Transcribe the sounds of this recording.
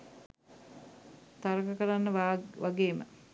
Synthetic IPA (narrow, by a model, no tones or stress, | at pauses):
t̪aɾəkəkəɾanːəʋʋaɡeːmə̰